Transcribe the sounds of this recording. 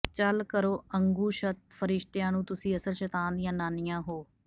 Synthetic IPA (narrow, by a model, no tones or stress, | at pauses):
t͡ʃəlkəɾoːəŋɡuːʃət̪̚pʰəɾɪʃt̪ejãːnũːt̪ʊsĩːəsəlʃət̪aːnd̪ɪjãːnaːnɪjãːɦoː